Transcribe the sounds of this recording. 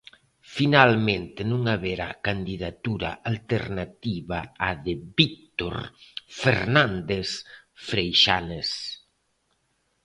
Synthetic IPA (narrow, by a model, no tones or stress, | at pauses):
finalmẽnt̪ɪnũŋaβeɾa̰kand̪iðat̪uɾa̰ʔalt̪eɾnat̪iβaːðɪbik̚t̪o̰ɾfeɾnand̪es | fɾejʃanes